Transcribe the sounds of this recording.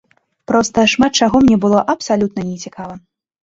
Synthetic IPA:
pɾɔst̪ɐʂmat̪̚t͡ʃaɣɔmnʲɛbɨlˠɔʔɐpsalʲut̪̚nɐnʲɛt͡sʲikʰavɐ

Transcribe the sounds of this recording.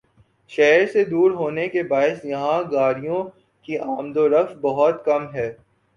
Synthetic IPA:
ʃɛːɾsed̪uːɾɦoːnekebaːɪsjɐɦãɡaːɾijõ | kiʔaːmd̪oɾɐkfbɐɦɔt̪kɐmɦɛː

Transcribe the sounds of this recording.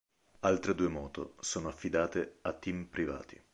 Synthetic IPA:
alt̪ɾed̪uːemɔːt̪o̰soːnoafːid̪aːt̪eat̪ːimpɾiva̰ːt̪ḭ

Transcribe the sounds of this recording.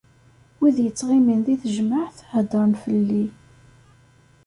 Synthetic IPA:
wiðjət͡sːʁiminðiθəʒmaʕθhəd̪ˤɾmfəlːi

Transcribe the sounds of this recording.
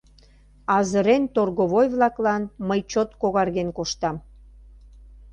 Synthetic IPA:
ɑzəɾent̪orɣoβojβlɑklɑnməjt͡ɕot̪koɣɑrɣenkoʃt̪ɑm

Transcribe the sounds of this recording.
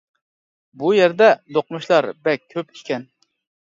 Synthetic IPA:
bujɛɾd̪ɛd̪oq̚muʃlˠɑɾbɛk̚ʲʰːøpi̥ʃkʲʰɛn

